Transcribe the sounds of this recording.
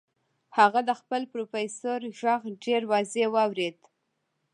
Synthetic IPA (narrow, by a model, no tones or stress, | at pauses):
haɣad̪əxpəlpɾofesoɾʒaɣɖeɾwɑzewɑwɾed̪